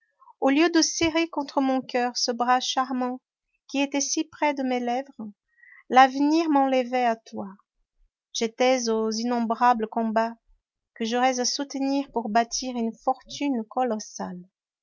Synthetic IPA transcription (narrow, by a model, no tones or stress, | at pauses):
oljød̪əseʁekɔ̃t̪χəmɔ̃kʲœʁsəbʁaʃaʁmɑ̃ | kʲiet̪ɛsipχɛd̪əmelɛvʁ | lavniʁmɑ̃ləvɛat̪wa | ʒ̥et̪ɛzozinɔ̃bʁabləkɔ̃ba | kəʒɔʁɛzasut̪niʁpuʁbat̪ʰiʁynfɔʁt̪ynkɔlɔsa̰l